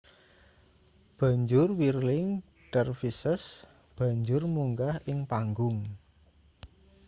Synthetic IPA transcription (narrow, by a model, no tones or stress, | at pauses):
b̥a̤ɲd͡ʒʊrwirlɪŋ | tərfisəs | b̥ä̤ɲd͡ʒʊrmuŋɡahɪŋpaŋɡʊŋ